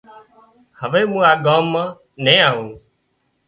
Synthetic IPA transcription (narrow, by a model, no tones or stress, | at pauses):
həʋeːmũːaːɠaːmːãː | nẽːaːɦũː